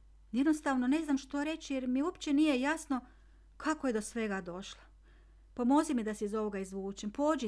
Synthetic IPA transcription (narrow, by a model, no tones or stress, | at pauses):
jed̪nost̪aʋno̞ne̞znamʃt̪o̞ɾe̞t͡ɕijeɾmiuopt͡ɕenijejasno̞ | kʰakojed̪o̞sʋe̞ɡad̪o̞ʃlˠa | pomo̞zimid̪aseizo̞ʋo̞ɡaizʋuːt͡ʃempoːd͡ʒi